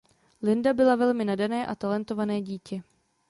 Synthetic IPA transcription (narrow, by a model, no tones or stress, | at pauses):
lɪndabɪlavɛlmɪnadanɛːʔat̪alɛnt̪o̞vanɛːɟiːcɛ